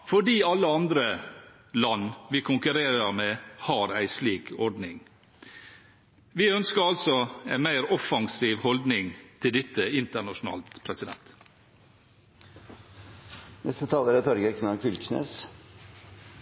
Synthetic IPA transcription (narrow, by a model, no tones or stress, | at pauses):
fɔɖiːɑlːəɑnd̪ɾə | lɑnːʋɪkʰʊŋkʉɾeːɾəɾmeːhɑːɾæɪsliːkʰɔɖnɪŋ | ʋɪœnskəɾɑlt̪sɔæɪmæɪɾɔfɑŋsiːʋhɔld̪nɪŋt̪ʰɪld̪ɪt̪ːəɪnt̪əɳɑʂʊn̩ɑ̰ːlt̪pʰɾɛsɪd̪ɛ̰nt̪ | nɛst̪ət̪ʰɑːləɾɛt̪ʰɔɾɡəkʰnɑkʰʏlkʰnḛːs